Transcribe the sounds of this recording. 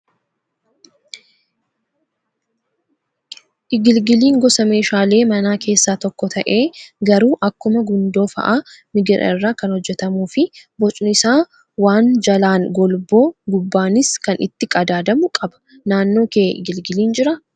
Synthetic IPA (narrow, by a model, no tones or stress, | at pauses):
ʔɪɡɪlɡɪliːŋɡɔsɐme̞ːʃaːle̞ːmɐnaːkʰe̞ːsːaːt̪ɔkːɔt̪ʰɐʔe̞ːɡɐɾuːʔɐkːʊmɐɡʊnd̪o̞ːfɐ̰ʔa | mɪɡɪɾʔɐ̰ɪrːaːkɐnhɔd͡ʒːɛt̪ɐmuːfɪbɔt͡ʃʼnɪsaː | waːnd͡ʒɐlaːŋɡɔlboːɡʊbːaːnɪskɐnɪ̰t̪ːɪkʼɐd̪aːd̪ɐmʊkʼɐbɐ̥ | naːnːo̞ːkeːʔɪ̰ɡɪlɡɪliːnd͡ʒɪɾɐ